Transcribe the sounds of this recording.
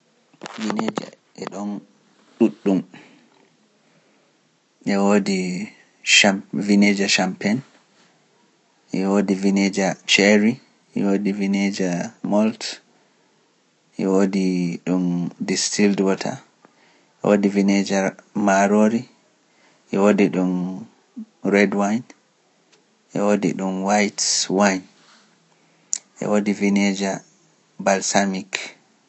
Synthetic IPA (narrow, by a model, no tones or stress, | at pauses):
vined͡ʒa̰ | ʔɛɗɔn | ɗuɗːum | ʔɛwodi | ʃavined͡ʒaʃampɛn | ʔɛwodivined͡ʒat͡ʃɛɾi | ʔɛwoːdivined͡ʒamɔlt | ʔɛwodiɗundistildwɔtʰa̰ | ʔɛ̰wodivined͡ʒamaɾoɾi | ʔɛwodiɗun | ɾɛdwajn | ʔɛ̰wodḭɗunwajtwajn | ʔɛ̰wodivined͡ʒa | balsamik